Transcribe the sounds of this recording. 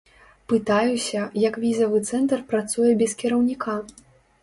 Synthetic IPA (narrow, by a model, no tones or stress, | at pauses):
pɨt̪ajusʲɐjɐkvʲizɐvɨt̪sɛnt̪ɐrpɾat̪sujɛbʲɛskʲɛɾɐwnʲikʰa